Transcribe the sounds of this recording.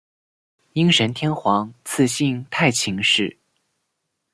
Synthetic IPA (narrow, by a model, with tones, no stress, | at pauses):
i˥ŋʂə˧˥nt̪ʰjɛ˥nxwɑ˧˥ŋt͡sʰɹ̩˥˧ɕi˥˧ŋt̪ʰa˥˩ɪt͡ɕʰi˧˥ŋʂɻ̩˥˩